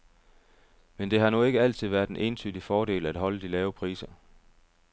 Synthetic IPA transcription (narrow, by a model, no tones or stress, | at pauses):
mend̥e̝ɦɑ̈nue̝ɡ̥əæl̰t͡sʰið̞̰ˠʋæɐ̥d̥enʔe̝ːnt͡sʰy̰d̥ifɒːɾ̥e̝̰ːlæd̥ɦɒ̽ləd̥ilɛːʊəpʰʁḭːsɐ